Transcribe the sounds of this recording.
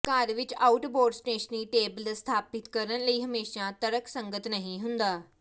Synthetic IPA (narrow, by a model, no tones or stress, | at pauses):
kaːɾʋit͡ɕauʈboːɾɖsʈeːɕəniːʈeːbəlst̪ʰaːpit̪kəɾənləiːɦəmeːɕat̪əɾəksə̃ŋɡət̪nəɦĩɦũnd̪aː